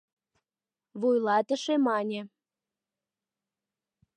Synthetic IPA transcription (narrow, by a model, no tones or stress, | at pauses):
βujlɑt̪əʃemɑnʲĕ